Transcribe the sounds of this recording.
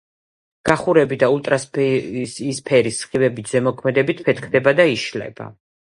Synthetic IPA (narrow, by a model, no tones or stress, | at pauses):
ɡ̥aχuɾɛbid̪aulˠt̪ʼɾaspsispʰɛɾisχibɛbit̪ʰz̥ɛmɔkʰmɛd̪ɛbit̪ʰpʰɛt̪ʰkʰd̪ɛbad̪aiʃlɛ̰ba̰